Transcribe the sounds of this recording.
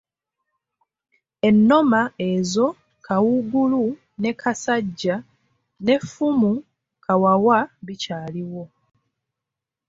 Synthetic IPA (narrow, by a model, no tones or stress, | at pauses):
e̞nːo̞mae̞zo̞ | kʰawuɡulu | ne̞kasaɟːa | ne̞fumu | kʰawawaβicaːliwo̞